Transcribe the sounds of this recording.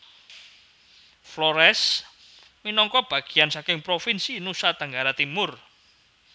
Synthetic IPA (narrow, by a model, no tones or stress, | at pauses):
flɔɾɛs | minɔŋkɔb̥a̤ɡ̥i̤jansakɪŋpɾofinsinusat̪əŋɡaɾat̪imʊr